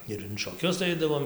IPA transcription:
ɪr ɪn ʃoːˈkʲʊs ˈɐɪdɐʋoːm

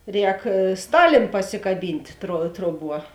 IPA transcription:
ˈrʲɛːk ˈstɑːlʲeːn pɐsʲɪkɐˈbʲiːnʲtʲ troː ˈtroːˌbuɔ

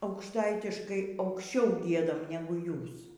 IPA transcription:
ɐʊkʃˈtɐɪtʲɪʃkɐɪ ɐʊkʃʲˈt͡ʃʲɛʊ ˈɡʲiɛdɐm ˈnʲæːɡʊ ˈjuːs

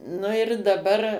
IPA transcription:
nʊ ɪr dɐˈbɐr

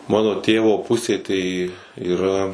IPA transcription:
ˈmɑːnoː ˈtʲeːʋoː ˈpʊsʲeː tɐɪ iːˈrɐ

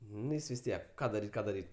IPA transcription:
nʊ ˈjɪs ʋʲɪs ˈtʲiɛk ˈkɑː dɐˈrʲiːtʲ ˈkɑː dɐˈrʲiːtʲ

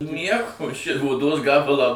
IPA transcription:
ˈnʲiɛkoː ʃʲɪ oːˈdoːs ˈɡɑːbɐlˠɑː

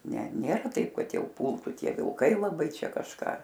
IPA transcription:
ˈnʲɛ ˈnʲeːrɐ ˈtɐɪp ˈkɐt ˈjɛʊ ˈpʊlˠtʊ ˈtʲiɛ ʋʲɪlˠˈkɐɪ lˠɐˈbɐɪ ˈt͡ʃʲɛ kɐʃˈkɑː

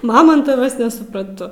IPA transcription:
mɐˈmoːntɐʋɐs nʲɛsʊprɐnˈtʊ

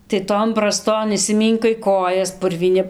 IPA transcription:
tɐɪ ˈtoːn brɐˈstoːn ɪʃʲsʲɪˈmʲiːŋkɐɪ ˈkoːjɛs pʊrʲʋʲiːˈnʲɪ

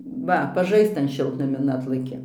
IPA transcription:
ˈʋɐ pɐˈʒɐɪst͡s ˈtɐn ˈʃʲɪlˠtnɐmʲɪn ˈɑːtlˠɐkʲɪ

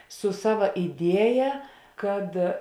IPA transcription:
sʊ ˈsɑːʋɐ ɪˈdʲiɛjɛ ˈkɐt

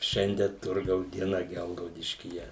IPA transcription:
ˈʃʲɛnʲdʲiɛ ˈtʊrɡɐʊs dʲiɛˈnɐ ˈɡʲɛlˠɡɐʊdʲɪʃʲkʲiːjɛ

